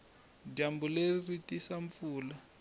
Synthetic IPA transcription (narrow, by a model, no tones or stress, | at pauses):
ɟambuleriritisaɱfuːla